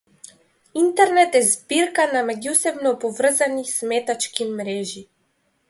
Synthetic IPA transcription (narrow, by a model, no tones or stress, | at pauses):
int̪ɛɾnɛt̪ɛzbiɾkanamɛɟusɛbnɔpɔvr̩zanismɛt̪at͡ʃkimɾɛʒi